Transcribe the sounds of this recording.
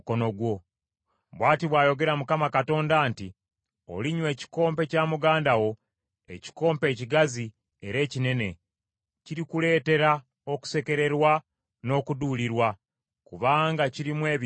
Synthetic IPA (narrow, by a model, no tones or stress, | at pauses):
konoɡwo̞ | βwaːtiβwaːjo̞ɡe̞ɾamukamakato̞ːndaːnti | o̰liɲwe̞ːci̥ko̞ːmpe̞caːmuɡaːndawo̞ | e̞̰ci̥ko̞ːmpe̞ːciɡazi | e̞ɾe̞ːcine̞ne̞ | ciɾikule̞ːte̞ɾa | o̞ku̥se̞ke̞ɾe̞ɾwa | no̞ːkuduːliɾwa | kuβaːŋɡaciɾimwe̞ːβ